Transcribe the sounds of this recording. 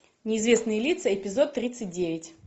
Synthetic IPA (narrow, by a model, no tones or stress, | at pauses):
nʲɪɪzvʲe̞snɨjəlʲit̪səɪpʲɪzo̞t̪ːɾʲit̪sɨt̚ʲdʲevʲɪtʲ